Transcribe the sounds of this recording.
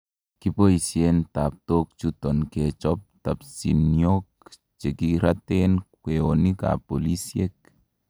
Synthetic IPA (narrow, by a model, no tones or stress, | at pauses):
kipoisjent̪ap̚t̪ok̚t͡ʃut̪onket͡ʃɔp̚t̪apsinjok̚ | t͡ʃekiɾat̪enkweonika̰polisjek̚